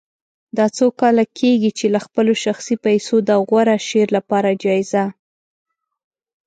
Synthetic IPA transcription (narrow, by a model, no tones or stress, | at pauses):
d̪ɑt͡sokɑlakʰeɡit͡ʃelaxpəloʃaxsipajsod̪əɣwaɾaʃeɾlapɑɾad͡ʒɑjɪza